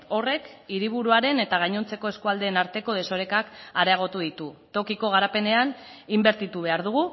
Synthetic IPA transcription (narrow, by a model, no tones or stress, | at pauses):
o̞re̞kiɾiβ̞uɾuaɾe̞ne̞t̪aɣ̞ajɲo̞nt͡se̞ko̞e̞skuald̪e̞ːnaɾt̪e̞ko̞ð̞e̞so̞ɾe̞kakaɾeaɣ̞o̞t̪uð̞it̪ut̪o̞kiko̞ɣ̞aɾape̞ne̞an | imbe̞ɾt̪it̪uβ̞e̞aɾð̞uɣu